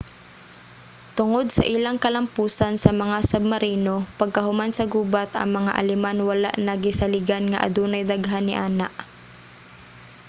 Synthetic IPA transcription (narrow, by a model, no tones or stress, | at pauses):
t̪ʊŋod̪̚sɐ̰ʔɪlaŋkɐlɐmpuːsansɐmɐŋasɐb̚mɐɾiːnopɐɡ̚kɐɦʊmansɐɡuːbat̪ɐ̰ŋmɐŋaʔɐ̰lɪmanwɐla̰ʔnɐɡɪsɐlɪɡanŋɐʔɐ̰d̪uːnɐjd̪aɡɦanːɪʔaːnaʔ